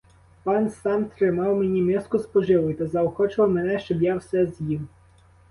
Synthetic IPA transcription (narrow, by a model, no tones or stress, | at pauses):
pɑnsɑmt̪ɾɪmɑwmenʲimɪskʊspɔʒɪʋɪjt̪ɐzɐoɔxɔt͡ʃɪlˠɔmenɛʃt͡ʃɔbjawsɛzjiw